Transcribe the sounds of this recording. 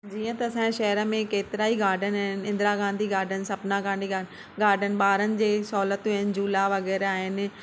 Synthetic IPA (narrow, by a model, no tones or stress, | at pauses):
d͡ʑiːə̃t̪ɐːsãːʃɐɦəɾəmẽkeːt̪ɪɾaːiɡaːɾɖənɪnɪ̃nd̪ɾaɡãːnd̪ʱiːɡaːɾɖənsɐbnãɡãːɳɖiɡa | ɡaːɾɖənɪ̆ɓaːɾənɪ̆d͡ʑeːsɔːlət̪ɦɪnɪ̆d͡ʑuːlaʋɐɡɛːɾaːɦɪn